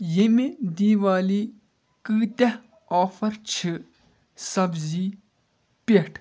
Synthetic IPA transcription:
jemed̪iːʋaːli | kɨːt̪ɐ | ɔːfɐɾt͡ʃʰi | sɐbziː | peʈʰ

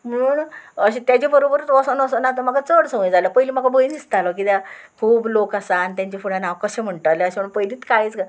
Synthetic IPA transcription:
m̤əuɳəɕĩt̪jat͡ɕebəɾobəɾət̪ʋɔsənəsənat̪̬əmaɡat͡səɽsəŋẽd͡zaləpəilim̤akʰabʱoind̪ist̪alɔkit̪jakʰuːblokasaːnit̪jãɲt͡ɕefuɽ̤ãnawkəɕẽm̤əɳʈ̪əleəɕem̤əɳpəjliːt̪kait͡ska

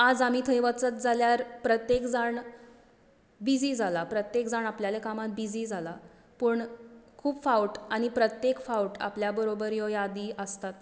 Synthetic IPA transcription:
ad͡zamiːt̪ʰəjʋət͡sət̪̚d͡zaljaɾpɾət̪jekd͡zaɳ | bid͡ziːd͡zʱalapɾət̪jekd͡zaɳapljalekamat̪̚bid͡ziːd͡zʱala | pəɳkʰuːpfauʈañipɾət̪jekfauwʈa̰pljabəɾobəɾjɔjad̪iːəst̪at̪

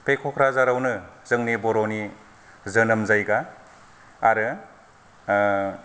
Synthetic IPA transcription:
pʰekʰɔkʰɾazaɾawnɯzɯŋnibɔɾoni | zɯnɐmzajɡaː | ɾɯ

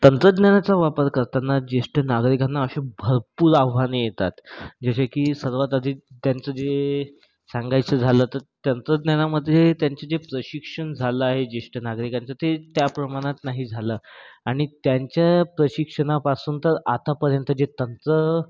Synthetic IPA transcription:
t̪ənt̪ɾəd̪njanat͡saʋapəɾkəɾt̪anːad͡ʑesʈənaɡɾikanːaəɕebʱəɾpuːɾaʋʋanijet̪a̰t̪d͡ʑaɕakiːsəɾʋat̪əd̪ʱiːt̪jant͡səd͡ze | sãŋɡajt͡səd͡zʱalət̪əɾt̪ənt̪ɾəd̪nanaməd̪ʱːjet̪jaɲt͡ɕad͡zepɾəɕikʂəɳd͡zʱaləaɦed͡ʑeʂʈənaɡɾikant͡sat̪et̪japɾəmaɽ̃at̪naɦiːd͡zʱaləːaɽ̃it̪jaɲt͡ɕjapɾəɕikʂəɳapasuːnt̪əɾat̪apəɾjənt̪əd͡ʑet̪ənt̪ɾə

